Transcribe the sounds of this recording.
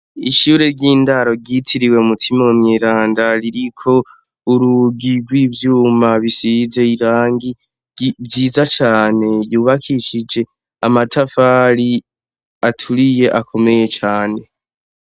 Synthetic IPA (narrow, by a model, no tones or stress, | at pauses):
iʃuːɾe̞ɾɟiːndaɾo̞ɟitʰiɾiwe̞umutʰimaumɲeːɾaːndaɾiɾikʰo̞ | uɾuɡiɡwiːvjuːmaβisize̞iɾaːŋɡi | vjiːzat͡ʃaːne̞juːβakʰiʃid͡ʒe̞ | amatʰafaːɾi | atʰuɾije̞ʔakʰo̞me̞je̞t͡ʃaːne̞